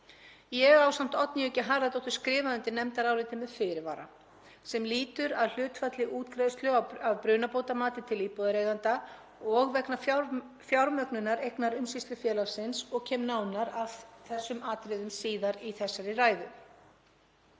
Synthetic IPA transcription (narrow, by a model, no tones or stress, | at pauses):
jɛɣawsam̥t̪ɔt̪nɪʏɛcːɪɦaɾðat̪ɔht̪ʏ̥skɾɪːvaʏnt̪ɪnɛmt̪aɾaːwɾɪt̪ɪmɛðfɪɾɪva̰ːɾa̰ | sɛmliːt̪ʏɾaðl̥ʏːt̪fat̪lɪʔuːt̪kɾaðʏst̪lʏaavpɾʏːnapoːwt̪amaːt̪ɪt̪ʰɪliːpowðaɾeːɣðant̪a | ɔɣvɛkna | fjawɾmœknʏnaɾejknaɾʏmsist̪lʏfjɛːlaɾsɪnsɔɣcʰɛːmnaːwnaɾavθɛsːʏmaːt̪ɾɪðʏmsiːðaɾiθɛsːaɾɪraːjðʏ